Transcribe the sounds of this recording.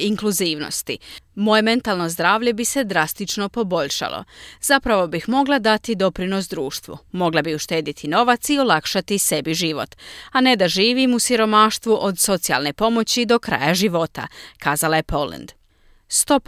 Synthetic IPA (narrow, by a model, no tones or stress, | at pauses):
iŋkluziːʋno̰st̪imo̞je̞me̞nt̪alˠno̞zd̪ɾaːʋʎe̞bise̞d̪ɾast̪it͡ʃno̞po̞bo̞ʎʃa̰lˠʔo̰z̥apɾaʋo̞bixmo̞ɡlˠad̪at̪id̪o̞pɾino̞sd̪ɾuːʃt̪ʋṵmo̞ɡlˠabiuʃt̪e̞ːd̪it̪ʰino̞ʋat̪sio̞lˠakʃat̪ise̞biʒiʋo̞̰t̪ane̞d̪aʒiːʋimusiɾo̞maːʃt̪ʋuʔo̞d̪so̞t̪sia̰lˠne̞po̞mo̞t͡ɕid̪o̞kɾa̰ːjaʒiʋo̞t̪a̰kʰaːzalaje̞po̞lḛnd̪ | st̪o̞p